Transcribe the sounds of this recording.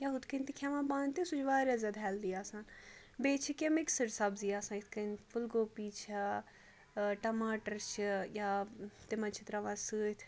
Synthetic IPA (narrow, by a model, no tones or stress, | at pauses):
jaɦut̪ʰkənt̪ikʰɛːʋãːbãːnt̪isud͡ʒʋaːɾazʲɐd̪ɦɛːld̪iaːsãːn | beːt͡ʃʰikemɪksəɾsɐbzijaːsãːɪt̪ʰkənfʰʊlɡoːpiːt͡ʃʰa | ʈɐmaːʈəɾt͡ʃʰjaːt̪emãt͡ʃʰɪt̪ɾaʋãːsɨːt̪ʰ